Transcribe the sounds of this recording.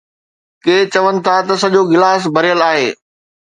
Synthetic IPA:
keːt͡ɕɐʋənɪ̆t̪ʰat̪ɐsɐʄoɡɪlaːs̬bʱɐɾijəlaːɦeː

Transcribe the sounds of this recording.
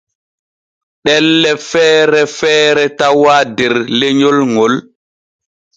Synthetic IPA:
ɗɛlːɛfɛːɾɛfɛːɾɛtawadɛɾleɲɔlŋɔl

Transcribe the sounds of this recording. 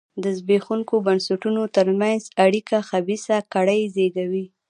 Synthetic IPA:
d̪əzbexuŋkobansaʈunot̪əɾmanzaɽikaxabisakaɽəjzeɡawi

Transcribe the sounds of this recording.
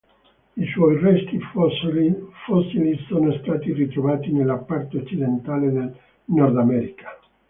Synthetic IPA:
iswɔjrɛst̪i | fɔsːilisoːnost̪aːt̪irit̪ɾovaːt̪inelːapːart̪oot͡ʃːid̪ent̪aːled̪el | nɔrd̪amɛɾikḁ

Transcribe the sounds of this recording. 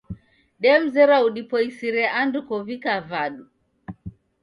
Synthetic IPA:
ɗɛm̩zɛɾauɗipɔisiɾɛʔandukɔvikavaɗu

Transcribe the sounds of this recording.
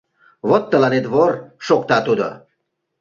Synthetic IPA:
βot̪ːəlɑnet̪βorʃokt̪ɑt̪ud̪ə̰

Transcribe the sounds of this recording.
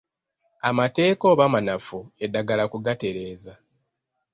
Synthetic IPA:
amate̞ːko̞ːβamanafue̞dːaɡalakuɡate̞ɾe̞ːza

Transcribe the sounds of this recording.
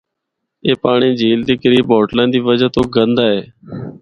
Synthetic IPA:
eːpaːɳiːd͡ʒʱiːld̪iːkəɾiːbɔːʈlãːd̪iːʋəd͡ʒaːt̪oːɡənd̪aːɦeː

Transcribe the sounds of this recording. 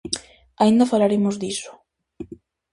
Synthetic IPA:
aind̪afalaɾemozd̪isʊ̥

